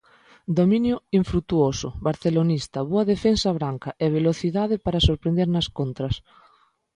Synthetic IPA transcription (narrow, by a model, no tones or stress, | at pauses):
d̪omĩnjʊiɱfɾut̪uosʊ̰βaɾθelonist̪ɐβoɐðefensaβɾaŋkaʔeβ̞eloθiðaðɪpaɾasoɾpɾẽnd̪eɾnɐskont̪ɾɐs